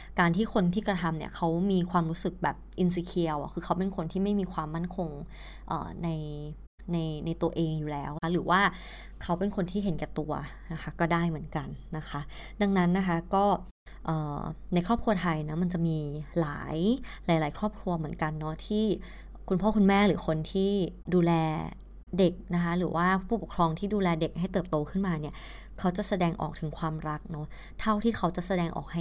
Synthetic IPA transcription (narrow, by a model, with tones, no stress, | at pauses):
kaː˧nt̪ʰiː˥˩kʰo˧nt̪ʰiː˥˩kɾa˧t̪ʰa˧mnḭ˦˥ɐkʰa˦˥wmiː˧kʰwaː˧mɾuː˦˥sɯ˨˩k̚bɛː˨˩p̚ʔi˧ns̬i˧kʰi˧əwa̰˨˩kʰɯː˧kʰa˦˥wpe˧nkʰo˧nt̪ʰiː˥˩ma˥˩jmiː˧kʰwaː˧mːa˥˩nkʰo˧ŋ | ʔə̰ː˨˩na˧j | na˧jna˧jt̪u˧ɐʔeː˧ŋjuː˨˩lɛː˦˥wa˦˥ɾɯː˩˦waː˥˩ | kʰa˦˥wpe˧nkʰo˧nt̪ʰiː˥˩ɦe˨˩˦nkɛː˨˩t̪u˧ɐ | na˦˥xʰa˦˥kɔː˥˩daː˥˩jmɯ˩˦ə˦nka˧nːa˦˥kʰa˦˥ʔda˧ŋna˦˥nːa˦˥kʰa˦˥kɔː˥˩ | ʔɤː˨˩na˧jkʰɾɔː˥˩p̚kʰu˧ɐt̪ʰa˧jna˦˥ma˧nt͡ɕa˨˩ʔmiː˧la̰ː˩˦jlaː˩˦jlaː˩˦jkʰɾɔː˥˩p̚kʰɾu˧ɐmɯ˩˦ənka˧nːɔ˦˥t̪ʰiː˥˩ | kʰu˧npʰɔː˥˩kʰu˧nmɛː˥˩ɾɯː˩˦kʰo˧nt̪ʰiː˥˩duː˧lɛː˧ | de˨˩k̚na˦˥kʰa˦˥ɾɯː˩˦wʔaː˥˩pʰuː˥˩po˨˩kʰɾɔː˧ŋt̪ʰiː˥˩duː˧lɛː˧de˨˩k̚ha˥˩jt̪ɤː˨˩p̚t̪oː˧kʰɯ˥˩nmaː˧ni˥˩ɐ | kʰa˦˥wt͡ɕa˨˩sa˧dɛː˧ŋʔɔ̰ː˨˩k̚t̪ʰɯ˩˦ŋkʰwaː˧mɾa˦˥k̚nɔ˦˥ | t̪ʰa˥˩wt̪ʰiː˥˩kʰa˦˥wt͡ɕa˨˩ʔsa˧dɛː˧ŋʔɔ̰ː˨˩k̚ha˥˩